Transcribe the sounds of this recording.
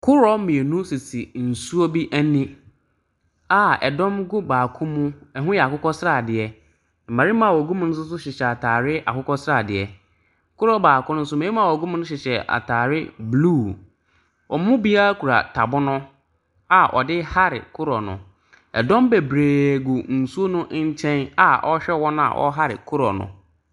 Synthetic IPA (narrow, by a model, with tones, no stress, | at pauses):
kʰʊ˦ɾɔ˦mĩ˨e˨nũ˦si˨si˨n̩˨su˦o˦bi˦ʔæ˦nĩ˦ | a˦˨ɛ̰˨dɔ̃˦mɡʊ˦baː˨kʰʊ̃˦mʊ̃˦ɛ˨ɦʊ̃˦jɛ˨a˨kʊ˦kɔ˦sɾa˦˨dɪ˨ɛ˦ | m̩˨ma˨ɾi˦mã˨wɔ˨ɡu˦mʊ̃˦nʊ̃˦s̬ʊ˦s̬ʊ˦ɕɪ˨ɕɛ˨a˨tʰaː˨ɾɪ˦ʔa̰˨kʊ˦kɔ˦sa˨dɪ˨ɛ˨ | kʰʊ˦ɾɔ˦baː˨kʊ̃˦nʊ̃˦n̩˦s̬ʊ˦m˨e˨˦i˦ã˨wɔ˨ɡu˦m̃˦nʊ̃˦ɕ̬ɪ˨ɕɛ˨ʔa̰˨tʰaː˨ɾɪ˦bluː˦˨ | wɔ˨m˦mʊ̃˦bi˦a˦kʰu˨ɾa̰˨tʰa˨bʊ˦nʊ̃˦ | a˨ʔɔ̰˨dɪ˦ha˦ɾɪ̰˨kʰʊ˦ɾɔ˨nʊ̰̃˨ | ɛ̰˨dɔ̃˦mbe˨bɾeː˨ɡʊ˨n̩˨su˦o˦nʊ̃˦ɲ̩˦t͡ɕʰɛ̃˦na˨ʔɔ˦ɕᶣɛ˦wɔ˦nʊ̃˦a̰˨wʔɔ̰˦ɦa˦ɾɪ̰˨kʰʊ˦ɾɔ̰˨nʊ̰̃˨